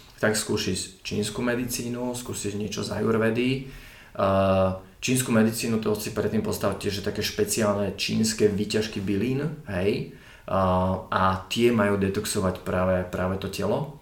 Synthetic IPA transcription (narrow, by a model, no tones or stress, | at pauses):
t̪akskuːsist͡ʃḭːnskumɛd̪it͡siːnuskuːsizɲɪɛt͡ʃɔza̰juɾʋɛd̪i | t͡ʃiːns̬kumɛd̪it͡siːnut̪ɔt͡sipɾɛt̪ːiːmpɔst̪aac̚cːɪɛʒɛt̪akɛːʃpɛt͡siaːlnɛt͡ʃḭːnskɛːʋiːcaʃkibiliːnɦɛj | at̪ɪɛmajuːd̪ɛt̪ɔksɔʋacpɾaːʋɛpɾaːʋɛt̪ɔcɛlɔ